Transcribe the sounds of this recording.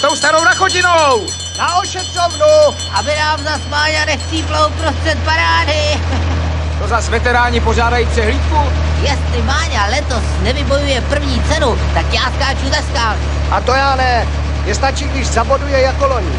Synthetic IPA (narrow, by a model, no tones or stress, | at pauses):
t̪owst̪anownaxoɟɪnow | naoʃɛt̪rovnu | ʔabɪnaːmzasmaːɲanɛxt͡siːplowpɾost̪r̥ɛt̪̚paɾaːdɪ | t̪ozasvɛt̪ɛɾaːɲɪpoz̝aːdajipsɛɦliːt̪ku | jɛst̪lɪmaːɲalɛt̪o̞snɛvɪbo̞jujɛpr̩vɲiːt͡sɛnu | t̪akjaːskaːt͡ʃuzaskaːnu | ʔat̪ojaːnɛ | jɛst̪at͡ʃiːɡdɪʃzabodujɛjakoloɲɪ